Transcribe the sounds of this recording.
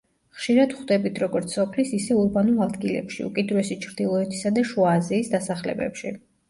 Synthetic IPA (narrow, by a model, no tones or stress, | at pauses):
χʃiɾad̪χd̪ɛbit̪ʰɾɔɡɔɾt̪sʰɔpʰlisisɛuɾbanulˠad̪ɡilɛ̰pʃḭṵkʼid̪ɾuɛsit͡ʃʰɾd̪̥ilˠɔɛt̪ʰi̥sad̪aʃuaːziːsd̪asaχlɛ̰bɛ̰pʃi